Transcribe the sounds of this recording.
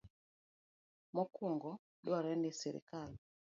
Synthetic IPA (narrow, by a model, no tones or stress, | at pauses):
mɔkuŋɡɔ | ɗwaɾɛndɛsɛɾḭkal